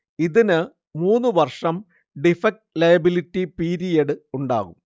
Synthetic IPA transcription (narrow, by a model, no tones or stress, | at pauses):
iðinɨ | muːnːɨʋɐrʂɐm | ɖifɐk̚ʈlɐjɐbiliʈːipiːɾijeɽɨuɳɖa̰ːɣum